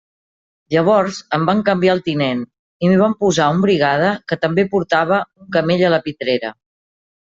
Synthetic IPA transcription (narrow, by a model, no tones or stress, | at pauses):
ʎəβ̞ɔɾzəmbaŋkəmbiaəlˠt̪inen | imiβ̞ampuzaumbɾiɣ̞að̞əkət̪əmbepuɾt̪aβ̞əuŋkəmeʎələpit̪ɾeɾə̰